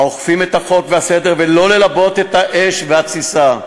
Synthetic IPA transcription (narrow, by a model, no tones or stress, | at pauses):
oχfimet̪haχo̞kvease̞d̪eʁve̞lo̞le̞labo̞t̪e̞t̪haʔeʃvehat͡sisa